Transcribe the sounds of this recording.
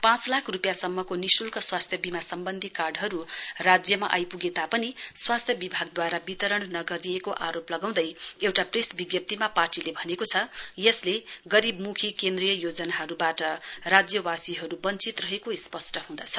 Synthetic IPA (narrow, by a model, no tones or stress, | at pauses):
pãt͡slakʰrupjasʌmːʌkonisulkʌswast̪ʰjʌbimasʌmbʌnd̪ʱikarɖɦʌɾurad͡zjʌma̰ʔa̰jpuɡet̪apʌniswast̪ʰjʌbibʱaɡ̚d̪waɾabit̪ʌɾʌɳnʌɡʌɾiekoʔaɾoplʌɡaw̃d̪ʌjewʈapresbiɡjʌp̚t̪imaparʈilebʱʌnekot͡sʰʌjʌsleɡʌɾibmukʰikend̪rijʌjod͡zʌnaɦʌɾubaʈʌrad͡zjʌwasiɦʌɾubʌnt͡sit̪rʌɦekoispʌsʈʌɦũd̪ʌt͡sʰʌ̥